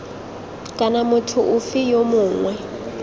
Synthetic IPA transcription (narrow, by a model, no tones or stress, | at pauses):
kʼanamʊtʰʊʔʊfɪjomʊːŋwɛ